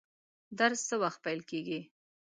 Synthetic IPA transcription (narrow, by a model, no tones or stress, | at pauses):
d̪aɾsːəwaxt̪̚pajlkeɡi